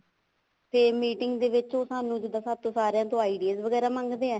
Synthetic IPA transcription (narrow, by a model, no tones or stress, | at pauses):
pʰeːɾmiːʈɪŋɡd̪eːʋɪt͡ʃoːsaːnũːd͡ʒɪd̪aːsəb̚t̪oːsaːɾeãːt̪oːaːiːɖiaːzʋəɡɛːɾaːmãŋɡd̪eːɛː